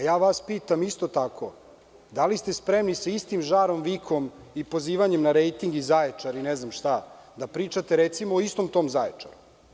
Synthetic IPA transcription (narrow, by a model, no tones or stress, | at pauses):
ajaːʋaspiːt̪amist̪ot̪akʰo̞ | d̪alist̪espɾemnisaist̪imʒaːɾo̞mʋikʰo̞m | ipo̞ziːʋaɲemnaɾejt̪iŋɡizajet͡ʂaɾineznamʃt̪ad̪apɾiːt͡ʂat̪eɾet̪simoːist̪o̞mt̪o̞mzajet͡ʂa̰ɾu